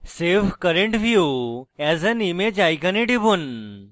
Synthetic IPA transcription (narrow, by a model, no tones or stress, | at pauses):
sefkəɾẽɳʈʋjuːɛzɛnimed͡ʒajkɐniʈibun